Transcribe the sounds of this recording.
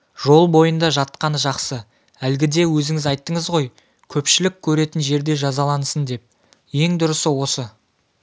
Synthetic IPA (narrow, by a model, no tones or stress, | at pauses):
ʒ̥o̞lˠbo̞jənd̪ɑʒɑt̪qɑnəʒɑqsə | ælɡʲɪd̪e̞wɵzɪŋɪzɑjt̪ːəɴəzʁo̞j | kʲʰɵpʃɪlɪkʲʰːɵɾe̞t̪ɪnʒe̞ɾd̪e̞ʒɑzɑlˠɑnsənd̪e̞p̚ | je̞ŋd̪ʊɾəsəwo̞sə